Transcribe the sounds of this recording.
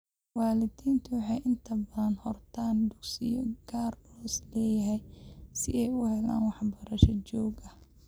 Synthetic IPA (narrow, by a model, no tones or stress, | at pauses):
wɑːlɪd̪iːnt̪ʰʊwɑħɑjʔɪnt̪ʰɐbɐðɐnhɔrt̪ʰaːnd̪ʊɡsɪjɔɡ̥aːrɔslɛːjɐɦɛjsɪʔɛjʊhɛla̰ːnwɑħbɐɾɐʃɐt͡ʃɔːɡɐ